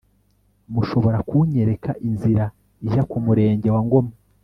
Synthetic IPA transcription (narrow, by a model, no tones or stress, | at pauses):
muʃo̞βo̞ɾakʰuɲe̞ɾe̞kaʔinziɾa | iʒakumuɾe̞ːɲɟe̞waŋɡo̞ma